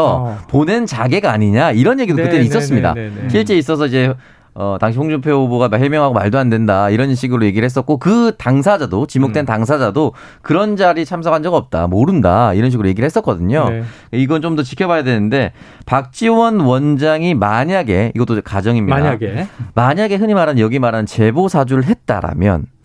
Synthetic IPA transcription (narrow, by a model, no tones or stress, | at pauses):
ʌpone̞nt͡ɕaɡe̞ɡaːɲiɲaiɾʌnje̞ɡidookɯt͈eɾiis͈ʌs͈ɯmɲida̰ɕʰiɭt͡ɕ͈e̞is͈ʌs̬ʰʌid͡ʑe̞ | ʌtaŋɕʰiɸoŋd͡ʑupʰjouboɡamhemjʌŋɦaɡomaɭdoandwe̞ndaiɾʌnɕʰiɡɯɾoje̞ɡiɾɯɭhe̞s͈ʌt̚k͈okɯtaŋsʰad͡ʑadot͡ɕimok̚t͈we̞ntaŋs̬ʰad͡ʑado | kɯɾʌnd͡ʑaɾit͡ɕʰams̬ʰʌkʰand͡ʑʌɡʌp̚t͈a̰moɾɯndaiɾʌnɕ̬ʰiɡɯɾoje̞ɡiɾɭhes͈ʌtk͈ʌdɯɲokaiɡʌnt͡ɕomdʌt͡ɕi̥kʰjʌbajadwe̞nɯnde̞ | pak̚t͡ɕ͈iwʌnwʌnd͡ʑaŋimaɲaɡe̞ḭɡʌt͈okad͡ʑʌŋimɲiaaɡmaɲaɡe̞ɦɯɲimaɾajʌɡimaɾant͡ɕe̞bosʰad͡ʑuɾɯɭɦe̞t̚t͈a̰ɾa̰mjʌ̰n